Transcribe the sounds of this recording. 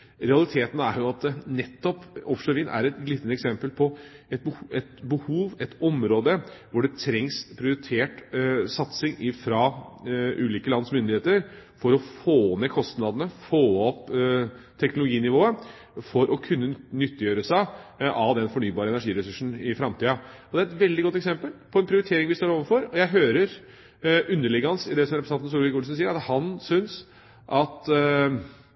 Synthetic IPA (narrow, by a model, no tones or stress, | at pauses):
ɾɛɑlɪt̪ʰeːt̪n̩æɾjʊɑt̪̚d̪ɛnɛt̪ːɔpɔfʂəʋiːnʔæ̰ɾɛt̪ɡlɪt̪ːənɛksɛmpəlpʰɔɛt̪̚bəɛt̪bəhuːʋɛt̪ɔmɾoːd̪əʋʊɖɛt̪ʰɾɛŋspʰɾɪʊɾɪt̪ʰeːʈsɑt̪sɪŋɪfɾɑ | ʔʉːliːkəlɑnd̪smʏnd̪ɪheːt̪əɾfɔɾɔfoːnekʰɔst̪nɑd̪ənəfoːɔp | t̪ʰɛknʊlʊɡiːnɪʋoːə | fɔɾʔɔkʰʉnːənʏt̪ːəjøːɾəsæɪʔɑʋd̪ɛnfɔɳyːbɑːɾəɛnæʂiːɾɛsʉʂn̩ɪfɾɑmt̪ʰiːɑɔd̪ɛæɾɛt̪ʋɛld̪ɪɡɔt̪ɛksɛmpəlpʰɔɛnpʰɾɪʊɾɪt̪ʰeːɾɪŋʋɪst̪oːɾoːʋənfɔɾɔjæɪɦøːɾəɾ | ʉnːəɭɪɡəhɑnsɪd̪ɛsɔmɾɛpɾsnɑnn̩s̬uːɾʋɪkʊlsn̩siːəɾæɑhɑnsʏns | ʔɑt̪